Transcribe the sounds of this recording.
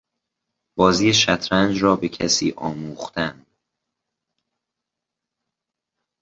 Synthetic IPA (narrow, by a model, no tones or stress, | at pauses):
b̥ɒːziːjeʃæt̪ʰɾænd͡ʒɾɒːbe̞cʰæsiːʔɒːmuːxt̪ænd̪̥